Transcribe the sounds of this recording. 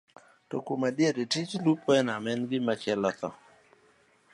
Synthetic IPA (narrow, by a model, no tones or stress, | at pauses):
tokumaɗjeɾitit͡ʃlupʰɔɛnamɛnɡɪmat͡ʃɛlat̪ɔ̰